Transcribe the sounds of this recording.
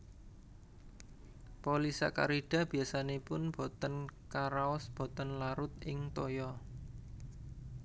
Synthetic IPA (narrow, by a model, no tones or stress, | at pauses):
polisa̰ka̰ɾid̥a̤b̥i̤asanepʊnb̥o̤t̪ənkaɾaɔsb̥o̤t̪ənlaɾʊt̪̚ʔɪŋt̪ojɔ